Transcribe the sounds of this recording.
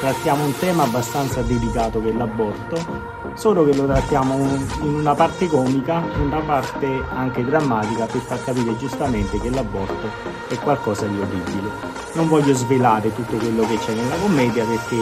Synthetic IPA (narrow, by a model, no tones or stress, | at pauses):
t̪ɾat̪ːjaːmount̪ɛːmaːbːast̪ant̪sad̪elikaːt̪okelːabːɔrt̪o | soːlokelot̪ɾat̪ːjaːmoinunapart̪ekɔːmikaunapart̪eaŋk̟ed̪ɾamːaːt̪ikaperfarkapiːɾed͡ʒust̪ament̪ek̟elːabːɔrt̪o | ɛkwalkɔːsad̪ioribile | noɱvɔʎːozvelaːɾet̪ut̪ːokwelːoket͡ʃːɛnːelːakomːɛːd̪japeɾk̟e